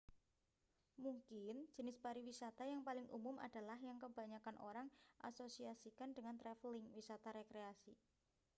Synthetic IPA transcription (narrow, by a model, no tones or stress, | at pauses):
muŋkɪn̥d͡ʒ̥ə̤nɪsbaɾiwisat̪ajaŋpalɪŋʔṵmʊmʔa̰d̥a̤lahjaŋkəbaɲakanʔo̰ɾaŋʔa̰sosiasikandəŋant̪ɾɛflɪŋwisat̪aɾekɾeasi